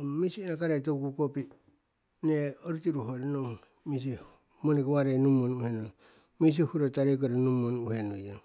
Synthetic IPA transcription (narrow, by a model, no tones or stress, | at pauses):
misienakaɾetokukopi | neoɾutiɾuɦoɾnoŋ | mis̬i | monekwaɾenumonuheno | mis̬ihuɾotaɾek̬oɾenumonuhenojaŋ